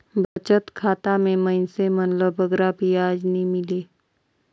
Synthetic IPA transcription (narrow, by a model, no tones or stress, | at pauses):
bʱət͡ʃət̪kʰaːt̪amẽməɪnsemənləbəɡɾabiaːd͡ʒnĩmɪleː